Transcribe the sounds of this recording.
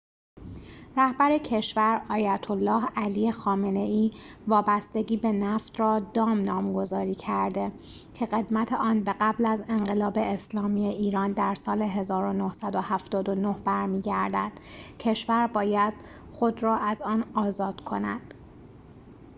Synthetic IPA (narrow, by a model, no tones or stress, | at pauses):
ɾæhbæɾecʰe̞ʃvæɾɒːjæt̪ʰolːɒːhælijexɒːme̞ne̞iːvɒːbæst̪e̞ɟiːbe̞næft̪rɒːd̪ɒːmnɒːmɡo̞zɒːɾiːcʰæɾd̪e̞ | cʰe̞ɣe̞d̪mæt̪ʰeʔɒːnbe̞ɣæblæze̞nɢe̞lɒːbe̞eslɒːmiːeʔiːɾɒːnd̪æɾsɒːle̞ɦe̞zɒːɾo̞nohsæd̪o̞hæft̪ɒːd̪o̞nohbæɾmiːɟæɾd̪æ̰d̪̥cʰe̞ʃvæɾbɒːjæd̪̥ | xo̞d̪ɾɒːʔæzɒːnɒːzɒːd̪̥kʰo̞̰næd̪̥